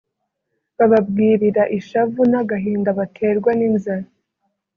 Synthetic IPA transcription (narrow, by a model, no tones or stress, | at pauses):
βaβab̚ɡiːɾiɾaʔiʃavunaɡaɦiːndaβatʰeːɾɡwaniːnzaɾa